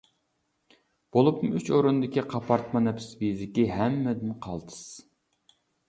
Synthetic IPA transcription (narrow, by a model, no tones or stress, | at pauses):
b̥olˠupmɨyt͡ʃoɾund̪ɪkʲiqʰɑpʰɑɾt̪mɑnɛpʰɪ̥svizɪkʲiɦɛmːɛd̪ɪnqʰɑlˠt̪ʰɨ̥s